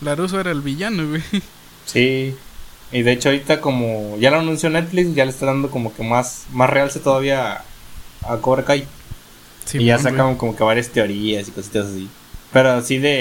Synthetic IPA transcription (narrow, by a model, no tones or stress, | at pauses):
larus̬oeɾaelβiʝanoɣe | si | iðe̞et͡ʃoaoɾit̪ako̞moʝaloanũnsjone̞t̪fliksʝalest̪aðand̪o̞ko̞mo̞ke̞masmasrealset̪oðaβiaː | koβɾekaje | siiʝasakamko̞mo̞ke̞βaɾjast̪e̞o̞ɾiasiko̞sit̪asasi | pe̞ɾosiðe̞